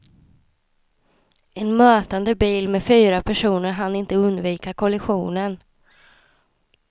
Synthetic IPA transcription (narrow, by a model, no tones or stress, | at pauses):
ɛnmøːt̪and̪əbiːlmɛfyːɾapʰæʂuːnəɾɦanːɪnt̪əɵnd̪viːkaɾkʰɔlɛɧuːnən